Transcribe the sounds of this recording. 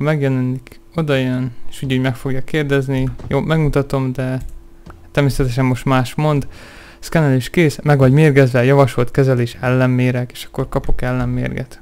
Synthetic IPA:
mɛɡjɛlɛnik | o̞d̪ɒjøneʃuːɟho̞ɟmɛkfo̞ɡjɒkːeːrd̪ɛznijoːmɛɡmut̪ɒt̪o̞md̪ɛ | t̪ːɛrmeːsɛt̪ɛʃɛmːo̞ʃt̪maːʃmo̞nd̪ | skɛnɛliʃkeːsmɛɡʋɒɟmeːrɡɛzʋɛjɒvɒʃo̞lt̪kɛzɛleːʃɛlːɛmːeːɾɛke̥ːʃɒ̥kːo̞rkɒpo̞kɛlːɛmːḛːrɡɛ̰t̪

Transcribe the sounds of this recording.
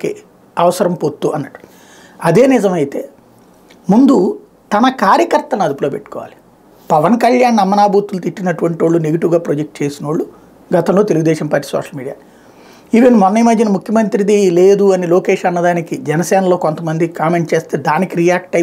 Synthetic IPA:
kḭ | ɐʋɐsɐɾɐmpot̪ːuʔɐnːɐʈːu̥ | ɐd̪e̞ːnɪzɐmɐjit̪e̞ː | mund̪u | t̪ɐnɐkaːɾjɐkɐɾt̪ɐlɐnɐd̪uploːpe̞̰ʈːu̥kɔːʋa̰ːli̥ | pɐʋɐnkɐʎjaːnːɐmːɐnaːbuːt̪ulut̪iʈːinɐʈuʋɐɳʈiʋoːɭːuneɡiʈuɡaːpɾod͡ʒek̚ʈ̚t͡ʃe̞ːsinɐʋɐɭːu | ɡɐt̪ɐmloːt̪eluɡud̪ɛːʃɐmpaːɾʈːiːsɔ̰ːʂɐlmiːɖija̰ː | iʋenmɔnːɐjmɐd̪ʱjɐnɐmukʰjɐmɐnt̪ɾid̪ile̞ːd̪uɐnilo̞ːkeːʃɐnːɐd̪aːnikid͡ʒɛnɐsɛːnɐlo̞ːkont̪ɐmɐnd̪ikaːme̞ɳʈ̚t͡ʃe̞ːst̪e̞ːd̪aːnikiɾijaːk̚ʈːɐj

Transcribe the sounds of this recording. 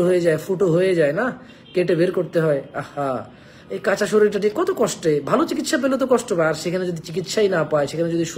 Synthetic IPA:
oɦojed͡ʑaefoʈoɦojed͡ʑaena | keʈebeɾkoɾt̪eɦɔeaha | ejkat͡ɕaʃoɾeʈaʈ̬ikɔt̪okɔʃʈebʱalot͡ɕikit̪ʃap̬elot̪̬okɔʃʈopaaɾʃekʰaned͡ʑod̪ʱit͡ɕik̬it̪ʃajnapaeʃekʰaned͡ʑod̪ʱiʃu

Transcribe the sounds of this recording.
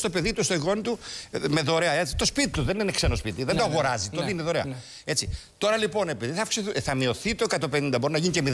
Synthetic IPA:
st̪o̞pe̞ðit̪ust̪oiɣo̞nit̪ume̞ðoɾeɐet͡si̥t̪ospit̪it̪uðe̞nineksenospit̪iðend̪oɣoɾɐzit̪oðineðoɾeɐ̰ | e̞t͡si | t̪o̞ɾɐlipo̞ne̞piðiθɐfksiθθɐmio̞θit̪o̞ekɐt̪ope̞nind̪ɐbo̞ɾinɐʝinice̞mið

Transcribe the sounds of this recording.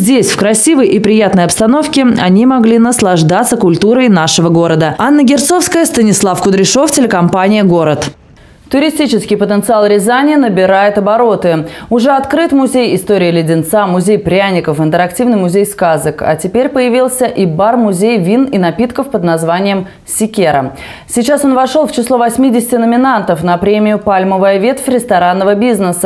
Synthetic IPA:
zʲdʲesʲfkɾɐsʲivəjʔipɾʲɪjat̪nəjɐpst̪ɐno̞fkʲɪɐnʲimɐɡlʲinəslˠɐʐd̪at̪sːəkʊlʲt̪uɾəjnaʂɨvəɡo̞ɾəd̪əanːəɡʲɪrt̪sofskəjəst̪ənʲɪslˠafkʊd̪ɾʲɪʂo̞ftʲɪlʲɪkɐmpanʲɪjəɡo̞ɾət̪ | t̪ʊɾʲɪsʲtʲit͡ɕɪskʲɪjpət̪ənt̪sɨalˠɾʲɪzanʲɪjənəbʲɪɾajɪt̪ɐbɐɾo̞t̪ɨʊʐɛɐt̪kɾɨt̪mʊzʲejɪst̪oɾʲɪəlʲɪdʲɪnt̪samʊzʲejpɾʲanʲɪkəfɨnt̪əɾɐktʲivnɨjmʊzʲejskazəkɐ̰tʲɪpʲeɾʲpəjɪvʲilˠsʲəʔibarmʊzʲejvʲininɐpʲit̪kəfpəd̪nɐzvanʲɪjəm | sʲɪkʲeɾə̰ | sʲɪt͡ɕaso̞nvɐʂolˠft͡ɕɪslˠo̞vɐsʲmʲidʲɪsʲɪ̥tʲɪnəmʲɪnant̪əfnɐpɾʲemʲɪjʊpalʲməvəjvʲe̞t̪fʲɾʲɪst̪ɐɾanːəvəbʲiznəsə

